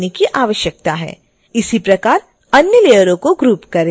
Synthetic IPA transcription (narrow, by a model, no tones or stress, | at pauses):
nekiʔaːʋəʃjək̚t̪aɦɛ̰ː | ɪsipɾɐkaːɾ | ɐnjəleːjəɾõkoɡɾuːpkɐɾe